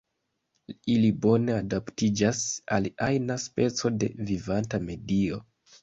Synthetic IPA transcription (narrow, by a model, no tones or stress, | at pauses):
ilibo̞ne̞adaptid͡ʒasaliajnaspe̞t͡so̞de̞̰vivantame̞dio̞